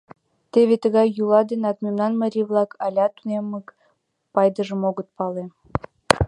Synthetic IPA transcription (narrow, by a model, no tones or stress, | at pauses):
t̪eβet̪əɣɑjːulɑd̪enɑt̪memnɑnməɾʲiβlˠɑkʰɑlʲɑt̪unemək | pɑjd̪əʒəmoɣə̆t̪̚pɑle